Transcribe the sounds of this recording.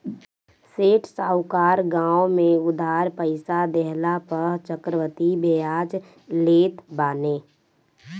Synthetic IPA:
seːʈʰsaːʊkaːɾɡãːomẽʊd̪ʱaːɾpəɪsad̪ɛɦlapəɦt͡ʃəkɾəʋət̪ibeaːd͡ʒ | leːt̪baːneː

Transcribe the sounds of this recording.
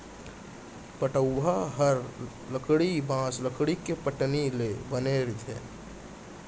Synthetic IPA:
pəʈəwːaɦəɾ | ləkɽibãːsləkɽikepəʈnilebəneːɾt̪ʰḛː

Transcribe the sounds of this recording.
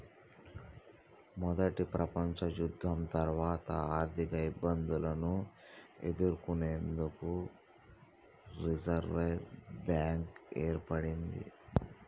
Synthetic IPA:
mɔd̪ɐʈipɾɐpɐɲt͡ʃɐjud̪ʱːɐmt̪ɐɾʋaːt̪ɐaːɾt̪ʰikɐibːɐnd̪ulɐnu | e̞̰d̪uɾukune̞ːnd̪uku | ɾid͡ʒɐɾʋebjaːŋkeːɾpɐɽind̪ḭ

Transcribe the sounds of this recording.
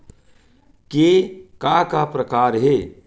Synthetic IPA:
kekakapɾəkaːɾɦeː

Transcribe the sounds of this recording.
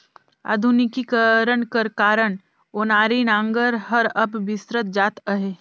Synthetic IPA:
a̰ːd̪ʱʊnɪkikəɾəɳkəɾkaːɾəɳ | oːnaːɾinãːŋɡəɾɦəɾɐbʋɪsɾət̪̚d͡ʒaːt̪əɦe

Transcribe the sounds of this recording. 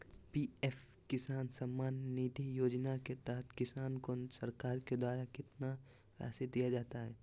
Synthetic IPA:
piːef | kɪsaːnsɐmːaːnːiːt̪ijoːd͡ʒnaket̪ɛɦət̪ʰkɪsaːnkosɐɾkaːɾked̪waːɾakɪt̪na | fa̰ːsed̪ijad͡ʒaːt̪aɦɛː

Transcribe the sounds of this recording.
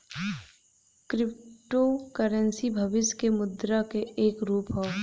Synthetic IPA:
kɾɪpʈokəɾənsibʱɐʋɪskemʊd̪ɾakeeːkɾuːpɦoː

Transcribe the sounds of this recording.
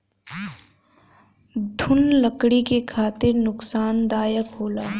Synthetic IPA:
d̪ʱʊnləkɽikekʰaːt̪ɪɾnʊksaːnd̪aːjəkɦoːlaː

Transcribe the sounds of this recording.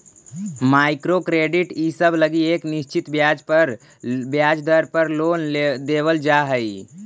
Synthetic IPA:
maɪkɾokɾeɖiʈisəbʱləɡiekniʃt͡ʃit̪bjad͡ʒpəɾ | bjad͡ʒd̪əɾpəɾlond̪ebəld͡ʒaɦəi

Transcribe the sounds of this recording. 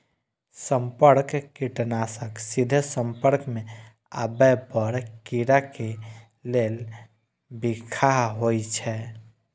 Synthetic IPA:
səmpəɾkkiʈənasəksid̪ʱsə̃mpəɾkmẽ | a̰bɛpəɾkiɾake | lel | bikʰaɦɦojt͡ʃʰɛ

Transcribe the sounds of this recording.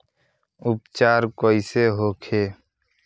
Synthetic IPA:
ʊpt͡ʃaːɾkoːiseɦoːkʰeː

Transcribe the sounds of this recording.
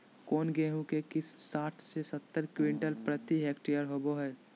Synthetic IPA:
koːnɡeːɦũkekɪsaːʈʰsesət̪ːəɾkwɪ̃ɳʈəlpɾət̪iɦeːkʈijəɾɦoːboɦɛː

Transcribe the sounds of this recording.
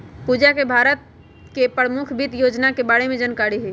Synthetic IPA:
puːd͡ʒakebʱaːɾət̪̚ | kepɾəmukʰbʱit̪joːd͡ʒnakebaːɽemẽd͡ʒənkaːɾiɦɛ

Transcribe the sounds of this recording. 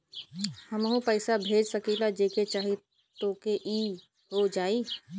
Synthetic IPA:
həmɦũpəɪsabʱeːd͡ʒsəkilad͡ʒeːket͡ʃaːɦi | t̪oːkeʔiː | ɦod͡ʒaːiː

